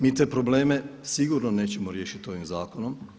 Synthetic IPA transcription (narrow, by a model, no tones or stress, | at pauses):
miːt̪eːpɾoble̞ːme̞siɡuɾnone̞ːt͡ɕe̞moɾjeʃit̪o̞ʋimzaːkonom